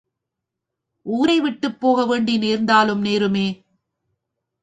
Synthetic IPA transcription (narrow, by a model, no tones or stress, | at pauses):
ʔuːɾɐɪʋɪʈːɯpːoːɣɐʋeːɳɖineːɾnd̪aːlɯmneːɾɯmeː